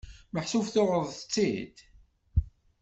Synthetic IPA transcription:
məħsufθʊʁəðˤθət͡sːid̪

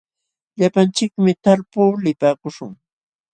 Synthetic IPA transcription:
ʎapant͡ʃɪkmɪt̪aɾpuːlɪpaːkʊʃʊŋ

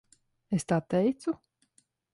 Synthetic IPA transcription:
est̪at̪ːɛjt̪su

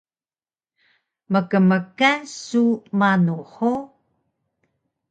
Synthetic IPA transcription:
məkəməkasumanuħo

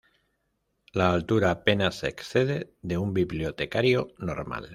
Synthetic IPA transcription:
laːlt̪uɾaːpe̞nase̞ksθe̞ð̞e̞ðeumbiβlio̞t̪e̞kaɾjo̞no̞ɾma̰l

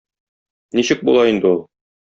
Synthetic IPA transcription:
niɕɘk̚bṵlˠɑind̪ɘulˠ

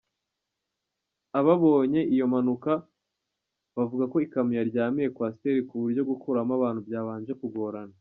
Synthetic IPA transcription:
aβaβo̞ːɲe̞ʔijo̞manuka | βavuɡako̞ikamijaɾɟaːmije̞kwaːsi̥te̞ɾikuβuɾɟo̞ɡukʰuɾamaβaːnhubjaːβaːnd͡ʒe̞kuɡo̞ɾana

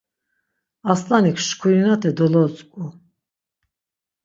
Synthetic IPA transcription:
aslanikʰʃkʰuɾinat̪ʰɛd̪ɔlɔt͡sʼkʼu

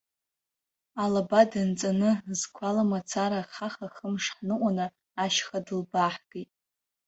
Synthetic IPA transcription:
alabadɨnt͡sʼanɨzkʷʰalamat͡sʰaɾaχaχaχəmʂħnɨʔʷʼanɨ | aʃχadɨlbaħɡ̥itʼ

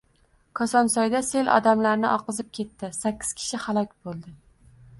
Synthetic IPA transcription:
kʰɒsɒnsɒjd̪ase̞lʔɒ̰d̪amlaɾnɪ̰ʔɒqʰɨzɪp̚kʲʰe̞t̪ːɪsakʲːɪ̥z̥kʲʰɪ̥ʃɪhalˠɒkʲbolˠd̪ɪ

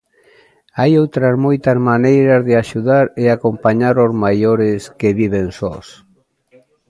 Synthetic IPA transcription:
ajowt̪ɾazmojt̪azmanejɾazðɪaʃuðaɾɪakompaɲaɾozmajoɾɪskeβiβ̞ensɔs

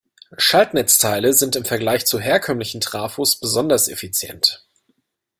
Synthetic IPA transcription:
ʃaltnɛt͡stʰaɪləzɪntɪmfɛɐɡlaɪçt͡suɦeːɐkʰœmlɪçn̩tʁ̥aːfosb̥əzɔndɐsʔḛfit͡sjɛ̰nt

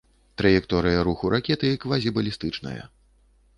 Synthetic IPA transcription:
t̪ɾɐjɛkt̪ɔɾɨjɐɾuxuɾakʲɛt̪ɨikvazʲibɐlʲist̪ɨt͡ʂnɐ̰jɐ̰

